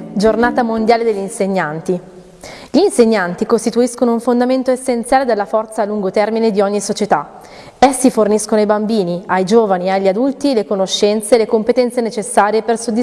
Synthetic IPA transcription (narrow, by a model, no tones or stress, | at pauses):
d͡ʒornaːt̪amond̪jaːled̪eʎːinseɲːant̪i | ʎiːnseɲːant̪ikost̪it̪uiskonouɱfond̪ament̪oesːent̪sjaːled̪elːafɔrt̪saːluŋɡot̪ɛrmined̪iɔɲːisot͡ʃet̪a | ɛsːiforniskonoajbambiːniajd͡ʒoːvaniaʎːiad̪ult̪ilekonoʃːɛnt̪selekompet̪ɛnt̪senet͡ʃesːaːɾjepersod̪ːi